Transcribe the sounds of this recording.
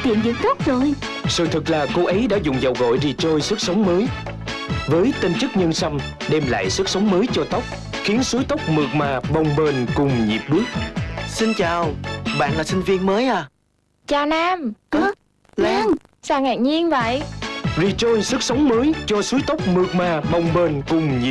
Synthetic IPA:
t̪ḭ˧˨ənvḭ˧˩ŋt̪ə˦˥k͡p̚zo˨˩j | sɨ̰˧˨˩t̪ʰɨ˨˩k̚laː˨˩ko˨˦ʔə˨˦jɗa̰ː˧˥zʊ̰˧˨ŋ͡mzə˨˩wɣɔ̰˧˨jzi˨˩t͡ɕo˧jsɨ˦˥k̚sə˨˦wŋ͡mməː˨˦j | vəː˨˦jt̪i˧nt͡ɕɨ˦˥k̚ɲə˧nsə˧m | ɗɛ˧mla̰ː˧˨jsɨ˦˥k̚sə˨˦wŋ͡mməː˨˦jt͡ɕɔ˧t̪ə˦˥wk͡p̚ | xi˨˦ənsu˨˦əjt̪ə˦˥wk͡p̚mɨ˨˩ək̚maː˨˩ɓə˨˩wŋ͡mɓe˨˩nkʊ˨˩ŋ͡mɲi˨˩əp̚ɓɨ˦˥ək̚si˧nt͡ɕaː˨˩wɓa̰ː˧˨nlaː˨˩si˧nvi˧ənməː˨˦jʔaː˨˩ | t͡ɕaː˨˩naː˧m˧ | saː˨˩ŋɛ̰ː˨˩ŋɲi˧ənvə̰˧˨jzi˨˩t͡ɕo˧jsɨ˦˥k̚sə˨˦wŋ͡mməː˨˦jt͡ɕɔ˧su˨˦jt̪ə˦˥wk͡p̚mɨ˨˩ək̚maː˨˩ɓə˨˩wŋ͡mɓe˨˩nkʊ˨˩ŋ͡mɲḭ˨˩

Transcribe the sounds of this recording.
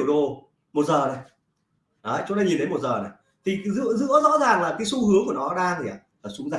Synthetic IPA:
əwɗo˨˩ | mo˨˩t̚zəː˨˩na˨˩j | ɗəː˨˦t͡ɕʊ˨˦t̪aː˧ɲi˨˩nɗe˨˦jmo˨˩t̚zəː˨˩na˨˩j | t̪ʰi˨˩zɨ̰˧˥əzɨ̰˧˥əzɔ̰˧˥zaː˨˩ŋlaː˨˩kaː˨˦jsu˧hɨ˨˦əŋku˧˩ənɔ˨˦ɗaː˧ŋt̪ʰi˨˩ʔa̰ː˨˩laː˨˩sʊ˨˦ŋza˨

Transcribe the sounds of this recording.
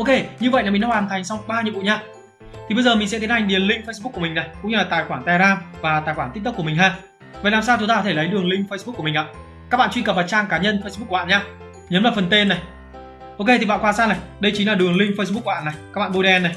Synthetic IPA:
ʔo˧ke˧ɲɨ˧və̰˧˨ja˨˩mi˨˩nɗaː˧˦hwaː˨˩nt̪ʰa˨˩jŋ̟swŋ͡mɓaː˧ɲi˨əɓṵ˧˨ɲaː˧ | t̪ʰi˨˩ɓə˧jzəː˨˩mï̟˨˩sɛ˧˥t̪i˨˦ha˨˩ŋ̟ɗi˨˩ənlï˧ŋ̟fə˧jsɓk̚ːmï˨˩ŋ̟na˨˩jkʊ̰˧˥ŋ͡mɲɨ˧laː˨˩t̪a̰ː˧˨jxwaː˧˩ŋt̪aː˧˩jzaː˧mvaː˨˩t̪a̰ː˧˨jxwaː˧˩nt̪̚t̪ɨ˥ku˧˩əmï˨˩ŋɦaː˧˩ | va˨laː˨˩msaː˧wt͡ɕʊ˦t̪aː˧ɔ˨˦e˧˩lə˨˦jɗɨ˨˩əŋlï˧ŋ̟fə˧sɓu˦˥k̚ːu˧˩mi˨˩ŋ̟ʔa̰ː˧˨ | kaː˦˥k̚ɓa̰˧˨t͡ɕwi˧kə˨˩p̚vaː˨˩t͡ɕaː˧ŋkaː˨˦ɲə˧nfə˧sɓ̚ːa̰ː˧˨ɲaː˧ | ɲə˨˦mlaː˨˩fə˨˩nt̪e˧nːa˨˩j | ʔo˧ke˧t̪i˨˩ɓa̰ː˧˨ŋkwaː˧˩saː˧na˨˩jɗə˧jt͡ɕi̟˨˦laː˨˩ɗɨ˨˩əŋlï˧ŋ̟fə˧js̬ɓk̚ːɓa̰ː˧˨na˨˩jka˦˥k̚ɓa̰ː˧˨ɓo˧ɗɛ˧nːa˨˩j

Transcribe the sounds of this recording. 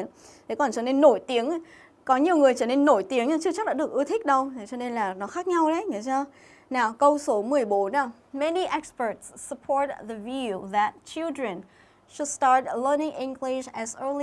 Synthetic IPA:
ən | t̪ʰe˨˩˦kɔ˨˩nt͡ɕɔː˧˩ne˧nːo˧˩jt̪i˨˦əŋ | kɔ˨˦ɲi˨˩əwŋ͡mŋɨ˨˩əjt͡ɕəː˧˩ne˧nːo˧˩jt̪i˨˦əŋɲa˧t͡ɕɨ˧˥t͡ɕa˦˥k̚ɗa̰ː˧˥ɗɨ˨˩ək̚ʔɨ˧ət̪ʰï˦˥k̟̚ɗə˧wt̪ʰe˨˩t͡ɕɔ˧ne˧nlaː˨˩nɔ˨˦xaː˦˥k̚ɲa˧wɗə˨˦jŋḭ˧˨˦t͡ɕɔː˧ | naː˨˩wkə˧wso˨˦mɨ˨˩əjɓo˨˦n˧ | mɛ˦niʔɛ˦kspə˞˨tsːəpʰɔɹt̪̚ðəvjuðæt̚t͡ʃɪ˦lˠdɹə̃n | ʃʊ˨˩dstɑɹt̚lə˞˧nɪ̃˧ŋʔɪ̃˧ŋɡlɪʃæzə˧li

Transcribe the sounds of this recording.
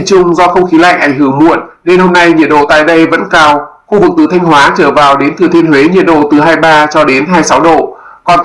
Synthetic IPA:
t͡ɕʊ˧ŋ͡mzɔ˧xə˧wŋ͡mxi˨˦la̰ː˧˨jʔa˧˩jŋ̟ɦɨ˨˧˩əŋmu˧˨ənne˧nho˧mna˧jɲi˨˩ət̚ɗo̰˧˨t̪a̰ː˧˨jɗə˧jvə̰˧˥nkaː˧wxu˧vɨ˨˩k̚t̪ɨ˨˩t̪ʰa˧ŋ̟hwaː˨˦t͡ɕəː˧˩vaː˨˩wɗe˨˦nt̪ʰɨ˨˩ət̪i˧ənhwe˨˦ɲi˧˨ət̚ɗo̰˧˨t̪ɨ˨˩ɦaː˧jɓaː˧t͡ɕɔ˧ɗe˨˦nɦaː˧jsa˨˦wɗo̰˧˨ | kɔ˨˩n

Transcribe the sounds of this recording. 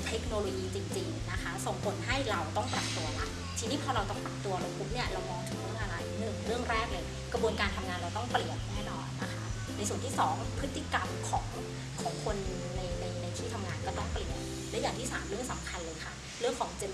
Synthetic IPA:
t̪ʰe˦˥k̚noː˧loː˧jiː˧t͡ɕi˧ŋt͡ɕi˧ŋna˦˥kʰa˦˥so˨˩ŋpʰo˨˩˦nɦa˥˩jɾa˧wt̪ɔ˥˩ŋpɾa˨˩p̚t̪u˧ɐla˦˥ʔ | t̪ʰiː˧ni˦˥pʰɔː˧ɾa˧wt̪ɔ˥˩p̪a˨˩p̚t̪u˧ɐɾa˧wpʰu˦˥p̚ni˥˩ɐɾa˧wmɔː˧ŋt̪ʰɯ˨˩˦ɾɯ˥˩˨ʔa˧ɾa˧jnɯ˨˩ɾɯ˥˩əŋɾɛː˥˩k̚lɤː˧j | kɾa˧bu˧ənkaː˧nt̪ʰa˧mŋaː˧nɾa˧wt̪ɔ˥˩ŋpli˨˩ən̚nɛː˥˩nɔː˧˩nːa˦˥kʰa˦˥ʔ | na˧jsu˨˩ənt̪ʰiː˥˩sɔː˩˦ŋpʰɯ˦˥t̪ːi˨˩ka˧mkʰɔː˩˦ŋ | kʰɔː˩˦ŋkʰo˧nːɯ˨˩ŋna˧jna˧jna˧jt̪ʰiː˥˩t̪ʰa˧mŋaː˧nkɔː˥˩t̪ɔ˥˩ŋpli˨˩ən̚ | lɛː˦˥jaː˨˩ŋt̪ʰiː˥˩saː˩˦mɾɯ˥˩əŋsa˩˦mkʰa˧nlɤː˧jkʰa˥˩ | ɾɯ˥˩əŋkʰɔː˩˦ŋt͡ɕe˧

